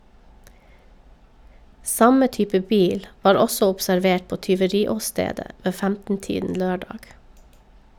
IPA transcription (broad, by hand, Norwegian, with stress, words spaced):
ˈsɑmə ˈtyːpə ˈbiːl ˈʋɑːɾ ˈɔsɔ ɔpsæɾˈʋeːʈ ˈpoː tʏʋəˈɾiːɔˌsteːdə ˈʋeː ˈfæmtn̩ˌtiːdn̩ ˈløːˌɖɑːɡ